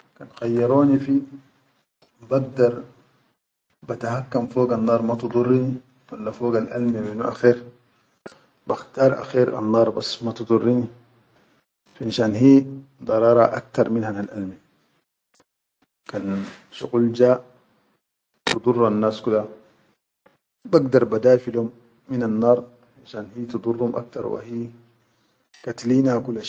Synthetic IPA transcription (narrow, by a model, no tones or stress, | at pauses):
kanxɑjːɑɾoːnifi | baɡd̪ɑɾˤ | bat̪ahakːamfoːɡanːɑːɾˤmat̪ud̪ˤurːini | walːafoːɡalʔa̰lmiminuʔa̰xeːɾ | baxt̪ɑːɾˤʔa̰xiːɾa̰nːɑːɾˤbasːmat̪ɨd̪ˤurːini | fʔnʃaːnɦiːd̪ˤɑɾˤɑːɾˤɑ̰ʔa̰k̚t̪ɑɾˤminhanalʔalmi | kanʃṵquld͡ʒaːʔ | t̪ɨd̪ˤurːanːaːskud̪a | baɡd̪ɑɾˤbad̪aːjfilhumː | inanːɑːɾˤ | finʃaːnhiːt̪ɨd̪ˤurˤːhumʔa̰k̚t̪ɑɾˤwa̰hiː | kat̪liːnakulːa